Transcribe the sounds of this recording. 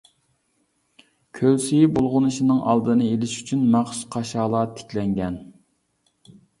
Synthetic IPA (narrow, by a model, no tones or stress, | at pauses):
kʲʰølsijɪbolˠʁʊnɨʃinɨŋʔɑ̰lˠd̪ɨnɨelɪʃy̥t͡ʃʰynmɑχʃqʰɑʃɑːlˠɑːt̪ʰɪ̥kʲʰlɛŋɡʲɛn